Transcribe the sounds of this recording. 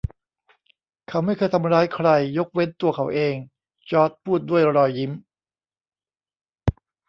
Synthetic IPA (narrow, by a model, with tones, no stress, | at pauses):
kʰa˧˩wma˥˩jkʰɤː˧jt̪ʰa˧mɾaː˦˥jkʰɾa˧jːo˦˥k̚we˦˥nt̪u˧ɐkʰa˩˦wʔeː˧ŋ | t͡ɕɔː˦˥t̪̚pʰuː˥˩t̪̚du˥˩əjɾɔː˧jːi˦˥m